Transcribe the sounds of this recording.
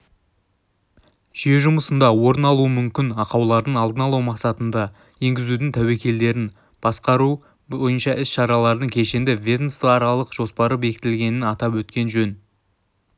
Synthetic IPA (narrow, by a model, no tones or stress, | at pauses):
ʒ̥ijeʒʊməsənd̪ɑwo̞ɾənɑlˠuəmʏmkʲɪnɑqɑwlˠɑɾd̪əɴɑlˠd̪ənɑlˠɑwmɑqsɑt̪ənd̪ɑ | je̞ŋɡʲɪzud̪ɪŋt̪ʰæwe̞kʲʰe̞ld̪e̞ɾɪn | b̥ɑsqɑɾu | ojənʃɑʔɪsʃɑɾɑlˠɑɾd̪əɴkʲʰe̞ʃend̪ɪvʲed̪nst̪ɑɾɑlˠəqʒ̥o̞spɑɾəbe̞kʲɪ̥t̪ɪlɡʲe̞nɪnɑt̪ɑp̬wɵt̪kʲe̞nʒɵn